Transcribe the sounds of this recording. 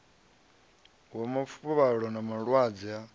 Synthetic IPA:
wamafʰupɔβaɺɔnamaɺwad͡zɛa

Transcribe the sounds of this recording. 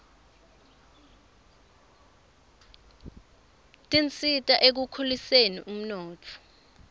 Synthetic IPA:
tʼint͡sʼitʼaʔek̬ukʰulisenḭʔum̩nɔːtʰɔ̥

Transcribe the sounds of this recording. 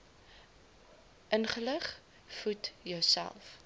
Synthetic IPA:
ʔənχələχ | futjœɥsæ̰lˠf

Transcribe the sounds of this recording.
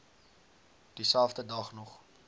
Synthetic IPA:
d̥isælˠfdədɐχnɔχ

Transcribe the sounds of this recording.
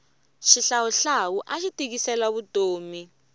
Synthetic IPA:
ʃiɬawuɬawuʔaʃitʼik̬isɛlaɓud̥ʱoːmi

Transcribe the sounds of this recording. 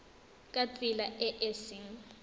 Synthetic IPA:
kʼat͡sʼilaɛʔɛsiŋ̩

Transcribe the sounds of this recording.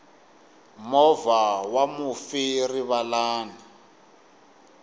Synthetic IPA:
mɔvawamufiriβalaːni

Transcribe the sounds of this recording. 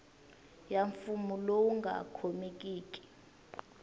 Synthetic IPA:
jaɱfumulowuŋɡʱa̰kʰomik̬ʼiːk̬ʼi̥

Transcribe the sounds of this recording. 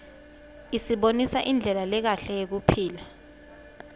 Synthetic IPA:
isiɓonisaʔind͡ɮʱɛlalɛk̬aɬɛjek̬upʰiːla

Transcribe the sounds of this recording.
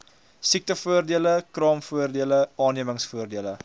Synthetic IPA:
sik̚təfuərdiələkrɑːmfuərdiələʔɑːniəməŋsfuərdiələ

